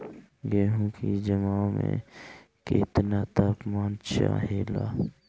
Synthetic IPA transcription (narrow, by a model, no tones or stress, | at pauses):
ɡeːɦũkid͡ʒəmamḛ̃ | kɪ̰t̪nat̪əpmaːnt͡ʃa̰ɦeːla̰ː